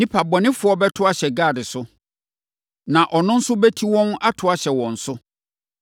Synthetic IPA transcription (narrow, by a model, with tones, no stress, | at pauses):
nĩ˦pʰa˨bɔ˨nɪ̃˦fʊ˨˦ɔ˦bɛ˦tʰʊ˦a˨ɕɛ˨ɡa˦˨dɪ˨sʊ˦ | nã˨ʔɔ˨nʊ̃˦n̩˦sʊ˦bɛ˦tʰi˦wɔ̃˦n˦a˦tʰʊ˨a˨ɕɛ˨wɔ̃˨n̩˨sʊ˦